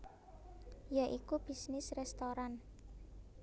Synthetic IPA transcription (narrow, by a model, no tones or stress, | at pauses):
jaʔikub̥i̤snɪsrɛst̪oɾan